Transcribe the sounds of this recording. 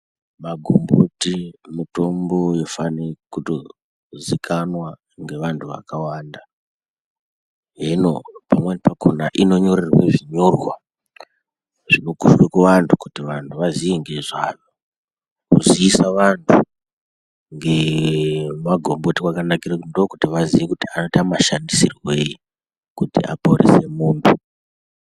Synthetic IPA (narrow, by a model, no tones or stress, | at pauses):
maɡʱo̰mbotimito̞mbo̞jofanekuto | zikʰanwa | ŋɡe̞ʋantʰuʋa̰kawaːnda | ɦeno̞̰pamwenepakʰo̰naʔino̞ɲo̞ɾerweʐiɲo̞rwa | ʐ̥ino̞kuʃwekuʋantʰukutiʋantʰuʋazieŋɡe̞ʐa̰ːno | kuziːsaʋantʰu | ŋɡe̞ | maɡʱo̞mbo̞tikwakanakirakundokutiʋaziʋekutiano̞itamaʃandisirweji | kutḭa̰porʔḛse̞muːmbi